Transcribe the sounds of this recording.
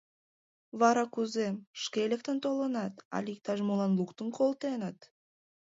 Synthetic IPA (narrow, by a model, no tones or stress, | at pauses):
βɑɾɑkuzemʃkʲelʲek̚t̪ənt̪olənɑt̪ɑ̰lʲik̚t̪ɑʒmolɑnlˠukt̪əŋkʰolˠt̪enət̪